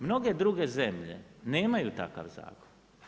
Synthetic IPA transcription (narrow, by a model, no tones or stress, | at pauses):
mno̞ɡed̪ɾuɡezemʎe̞̰neːmajut̪a̰ka̰ʋza̰ːkon